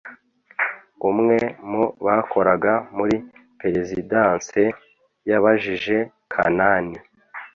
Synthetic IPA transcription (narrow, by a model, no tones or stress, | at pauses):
umŋe̞moβakʰo̞ɾaɡamuɾipe̞ɾezidanse | jaβaʒiʒe̞ | kʰa̰nani